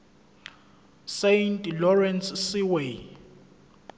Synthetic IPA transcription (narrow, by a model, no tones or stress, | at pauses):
sejntʼlɔrɛnssiwe